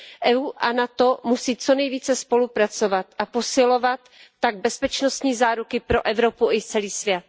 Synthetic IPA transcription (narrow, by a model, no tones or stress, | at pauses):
ʔɛuːʔanat̪o̞musiːt͡so̞nɛjviːt͡sɛspo̞lupɾat͡sovat̪ʔapo̞sɪlo̞vat̪ːaɡ̚bɛspɛt͡ʃnost̪ɲiːzaːɾukɪpɾo̞ʔɛvɾopuʔɪt͡sɛliːsvjɛt̪̚